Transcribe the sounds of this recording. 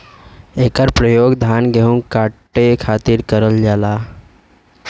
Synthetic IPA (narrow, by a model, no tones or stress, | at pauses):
ekaɾpɾəjoɡd̪ʱanɡʱeuŋkaʈːekʰat̪iːɾkəɾəld͡ʑala